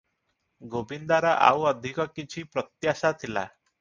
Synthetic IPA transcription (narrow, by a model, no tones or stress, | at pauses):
ɡobind̪aɾɔʔa̰wɔd̪ʱikɔkit͡ʃʰipɾɔt̪jasat̪ʰila̰